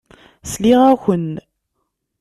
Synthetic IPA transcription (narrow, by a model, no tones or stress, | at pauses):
sliʁæçən